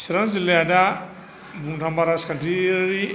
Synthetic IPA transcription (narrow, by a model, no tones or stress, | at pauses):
siɾanzilɛda | mbundambaɾaskandiɾi